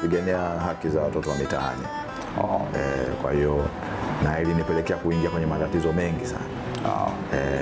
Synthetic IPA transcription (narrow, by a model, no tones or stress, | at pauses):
piɡɛniaɦakizawatɔtɔwamita̰a̰nḭ | ɛkwa̰hijɔ | nailinipɛlɛkɛakuiŋɡiakwɛɲɛmatatizɔmɛŋɡisa̰n | ɛ